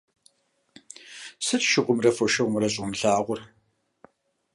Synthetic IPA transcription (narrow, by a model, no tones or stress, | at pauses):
sɨtʃɪʁʷʊmrɐfɔʃɪʁmrɐɕʼʊmɬaːʁʷʊr